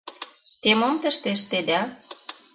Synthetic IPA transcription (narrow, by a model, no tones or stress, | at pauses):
t̪emomt̪ə̆ʃt̪eʃt̪ed̪æ